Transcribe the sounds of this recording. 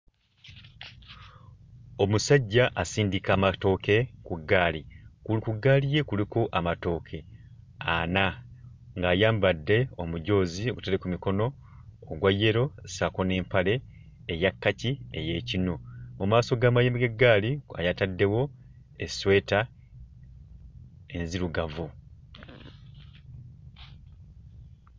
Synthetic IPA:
omusaɟːaʔasiːndikaːmato̞ːke̞kuɡːaːlikulikuɡaːlije̞kulikoʔamato̞ːkʰe | a̰na | ŋɡaːjaːmbadːe̞o̞muɟo̞ːzioɡutelekumiko̞no̞ː | ɡwajːe̞ɾo̞sako̞ne̞ːmpale̞ː | jakːaciḛje̞ːcinomumaːso̞ɡaːmajimiɡe̞ɡːaːlia̰jatadːe̞wo̞ | eswe̞ːta | enziɾuɡavu

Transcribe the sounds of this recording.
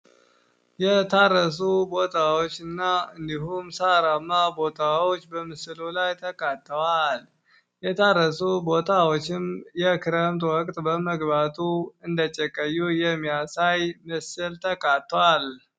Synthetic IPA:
jɛt̪ʰarəs̬ubo̞t̪ʰawot͡ʃːɨnːaɨnd̪iɦumsaɾamːabo̞t̪ʰawot͡ʃːbəmɨsɨlulajt̪ʰəkʼat̪ʰʼːəwal | jɛt̪ʰarːəsubo̞t̪ʰawot͡ʃːɪmjɛkʰɨɾəmt̪ʼwɔkʼt̪ʼbəməɡbat̪ʰuɨnd̪ət͡ʃʼːəkʼːəjːujɛmːijasajmɨsɨlt̪ʰəkʼat̪ːəwal

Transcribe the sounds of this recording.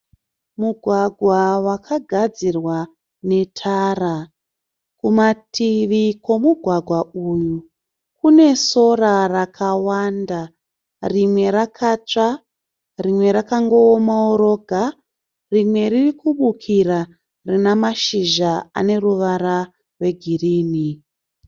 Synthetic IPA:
muɡʱwaɡʱwawakʰaɡʱad͡zirwa | ne̞tʰara | kumatʰiʋiko̞muɡʱwaɡʱwauju | kune̞so̞rarakʰawanda | rimwe̞ɾakʰat͡ʂa | rimwe̞ɾakaŋɡo̞ːmaoɾo̞ɡʱa | rimwe̞ɾirikuɓukʰira | rinamaʃiʒaa̰ne̞ruʋaɾa | rwe̞ɡʱiriːni

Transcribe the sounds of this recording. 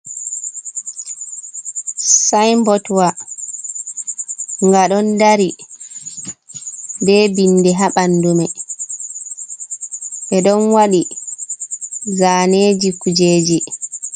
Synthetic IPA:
sajmbɔtwa | ŋɡaɗɔndaɾi | bɛːbinːdɛɦaɓandumɛ | ʔɛɗɔnwaɗi | zaːneːd͡ʒikud͡ʒeːd͡ʒi

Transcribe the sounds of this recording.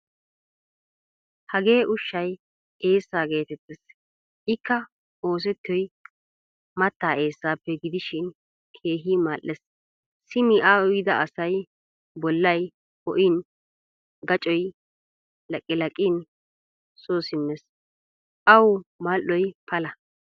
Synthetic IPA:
hɐɡe̞ːʔʊʃːɐj | eːsːaːɡe̞ːt̪ɛt̪ːɛs | ʔɪkːɐ | o̞ːs̬ɛt̪ːɔj | mɐt̪ːaːe̞ːsːaːpːɛɡɪd̪ɪʃɪn | kʰe̞ːɦiːmaːlːɛs | sɪmɪʔaːɔjɪd̪ɐʔɐsɐj | bɔlːɐj | hɔ̰ʔɪn | ɡɐt͡ʃʼɔj | lɐkʼːɪlɐkʼːɪn | soːsɪmːɛs | ʔɐwmaːlʔːɔjpʰɐlɐ

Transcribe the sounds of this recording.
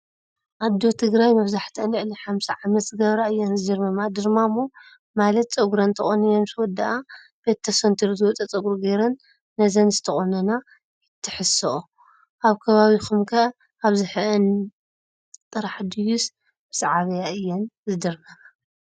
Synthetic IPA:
ʔad̪o̞t̪ʰɨɡɾajmɨβzaħt̪ʰɐnʕliħamsiʕamɐt̪ɡɐβɾaɨjːonzɨd̪ɨɾmɐmad̪ɨɾmamo | malɐt̪t͡sʼɐɡuɾɐnt̪ʰɐχʼonijonswɔd̪ːaʔa | b̥et̪ʰːɐsont̪ʰiɾzɨwɔt͡s̪ʼɐt͡sʼɐɡuɾɡeɾɐnː | ɐzɐnzɨt̪ʰɐxʼonɐna | jɪt̪ʰːɨħɨsɐʔu | ʔaβkʰɐβaβixumkʰɐ | aβzɨħɨʔɨn | t̪ʼɨɾaħd̪ɨjus | b̥ɨsʕaβɐjaʔɨjːonzɨd̪ɨɾmɐma

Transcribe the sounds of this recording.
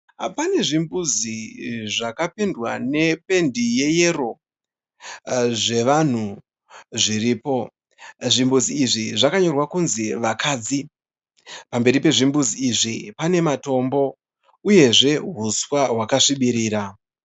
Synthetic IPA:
pane̞ʐimbuziʐakapendwane̞pe̞ndije̞je̞ro̞ | ʐe̞ʋan̤u | ʐiriːpo̞ | ʐimbuziːʐiʐakaɲo̞rwakunziʋakaːd͡zi | pambe̞ɾipe̞ʐimbuziiʐipane̞mato̞mbo̞ | uje̞ʐe̞ɦuswaɦwakaʂiɓiɾiːɾa

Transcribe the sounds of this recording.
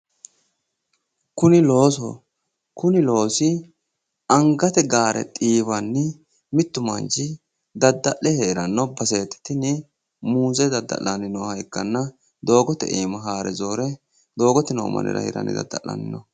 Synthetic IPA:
kʊnɪlo̞ːsɔ̰ | kʊnɪlo̞ːsɪ | ɐŋɡɐt̪ɛɡaːɾɛ̰t̪ʼiːβɐnːɪ | mɪt̪ːʊmɐ̰nd͡ʒɪ | d̪ɐd̪ːɐʔɛheːɾɐnːɔbɐse̞ːt̪ːɪ̥t̪ɪnɪ | muːzɛd̪ɐd̪ːɐ̰lːɐnɪnɔhɐjkːɐnːɐ | d̪o̞ːɡɔt̪ːɛ̰ʔḛːmɐɦaːɾɛzo̞ːɾɛ | d̪o̞ːɡɔt̪ːɪnoːmɐ̰nʔɛ̰ɾɐ̰hɛ̰ɾɐ̰nɪ̰d̪ɐ̰d̪ːɐ̰lːɐ̰nɪ̰nɔ

